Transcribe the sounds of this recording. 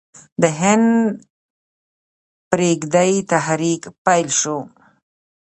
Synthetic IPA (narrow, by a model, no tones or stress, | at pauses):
d̪əɦɪn | pɾeɡd̪ajt̪aɦɾikpajlʃo